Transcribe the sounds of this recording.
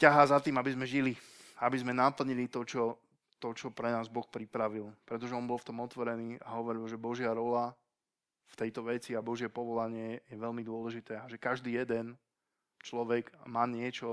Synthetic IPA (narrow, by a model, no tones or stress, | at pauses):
caɦaːzat̪iːmabizmɛʒiliabizmɛnapl̩ɲilit̪ɔt͡ʃɔ | t̪ɔt͡ʃɔpɾɛnaːzbɔxpɾipɾaʋilpɾɛt̪ɔʒɛɔnbɔlˠft̪ɔmɔt̪ʋɔɾɛniːaɦɔʋɔɾilʒɛbɔʒɪaɾɔla | ft̪ɛjt̪ɔʋɛt͡siabɔʒɪɛpɔʋɔlaɲɪɛjɛʋɛlmid̪ʊɔlɛʒit̪ɛːaʒɛkaʒd̪iːjɛd̪ɛn | t͡ʃlɔʋɛɡmaːɲɪɛt͡ʃɔ